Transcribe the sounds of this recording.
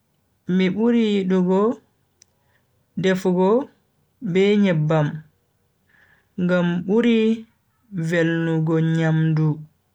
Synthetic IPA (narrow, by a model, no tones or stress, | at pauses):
miɓuɾijiɗuɡɔ | dɛfɡɔ | bɛɲɛbːam | ŋɡamɓuɾi | velnuɡɔɲamdu